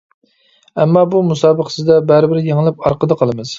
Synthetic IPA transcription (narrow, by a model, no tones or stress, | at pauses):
ɛmːɑbumusɑːbəqə̥sɪzd̪ɛbæɾɪbɪɾɪjeŋɪlˠɪp̚ɑɾqəd̪əqʰəlˠɨmɨz̥